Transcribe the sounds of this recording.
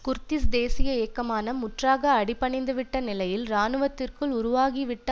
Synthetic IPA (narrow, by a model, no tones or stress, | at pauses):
kʊɾt̪ɪsd̪eːsɪjɐeːkːɐmaːnɐmʊʈraːɣɐːɽɪpːɐɳɪnd̪ɯʋɪʈːɐnɪlɐjɪlɾaːnɯʋɐt̪ːɪrkɯɭʊɾʊʋaːɣiʋɪʈːɐ